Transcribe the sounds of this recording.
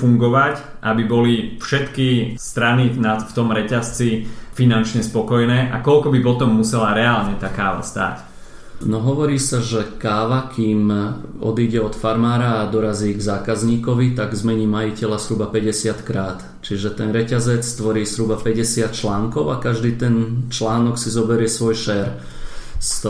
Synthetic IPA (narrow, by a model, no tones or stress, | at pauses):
fuŋɡɔʋac | ʔabibɔlifʃɛt̪kist̪ɾaninaft̪ɔmɾɛcast͡sifinant͡ʃɲɛspɔkɔjnɛːʔakɔlkɔbipɔt̪ɔmːusɛlaɾɛaːlɲɛt̪aːkaːʋa̰st̪a̰ːc | nɔɦɔʋɔɾiːsaʒɛkaːʋakʰiːmɔ̰d̪iɟɛɔt̪faɾmaːɾaːd̪ɔɾaziːɡzaːkazɲiːkɔʋit̪aɡzmɛɲiːmajicɛlazɦɾubapɛɟɛsɪat̪kɾaːt̪ | t͡ʃiʒɛt̪ɛnɾɛcazɛt͡sst̪ʋɔɾiːzɾubapɛɟɛsɪat̪̚t͡ʃlaːŋkɔʊakaʒd̪iːt̪ɛnt͡ʃlaːnɔksizɔbɛɾɪɛsʋɔjʃɛːɾ | st̪